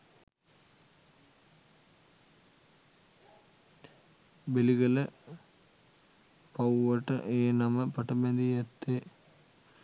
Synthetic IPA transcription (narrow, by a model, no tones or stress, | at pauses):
beliɡɐlɐ | pɐwʋɐʈːɐ̰ʔeːnɐmɐpɐʈɐmend̪ijɐt̪ːe